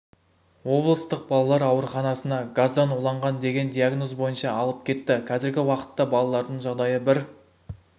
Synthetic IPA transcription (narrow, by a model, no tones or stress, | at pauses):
wo̞blˠəst̪əq̚bɑlˠɑlˠɑɾɑwəɾχɑnɑsənɑɡazd̪ɑnulˠɑɴʁɑnd̪e̞ɡʲe̞nd̪ijaɡno̞zbo̞jənʃɑːlˠəp̚kʲʰe̞t̪ːɪqʰɑzɪɾɡʲɪwɑqə̥t̪ːɑbɑlˠɑlˠɑɾd̪əɴʒɑʁd̪ɑjəbɪɾ